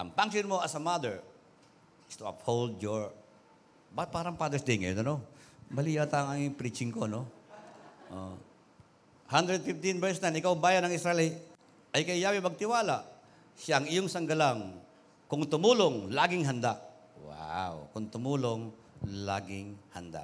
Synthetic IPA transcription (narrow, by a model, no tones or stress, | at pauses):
ʔɐ̰ŋpaŋsonmoʔɐsɐmad̪ɛɹ | st̪ʊa̰phowld̪d͡ʒoɹ | bapaːɾɐŋpad̪ɛɹsd̪ɪŋɐjo̰d̪onomɐliːjat̪aŋaŋŋpɾit͡ʃɪŋkono | ʔo̰ | hand̪ɾɛd̪̚fɪft̪inbɛɹsnajnʔɪkawbaːjɐnɐŋɪsɾɛlɪt̪ | ʔɐjkɐɪjaːwɪmɐɡ̚t̪ɪwaːlaʔ | ʃjaʔɐŋɪjoŋsɐŋɡɐlaŋ | kʊŋt̪ʊmuːloŋlaːɡɪŋɦɐnd̪aʔ | wa̰wkʊŋt̪ʊmuːloŋ | la̰ːɡɪŋhɐnd̪a̰